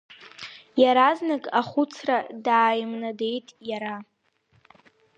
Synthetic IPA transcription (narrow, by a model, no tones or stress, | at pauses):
jaɾaznakʼaχʊt͡sʰradaːjmnade̞jtʼjaɾa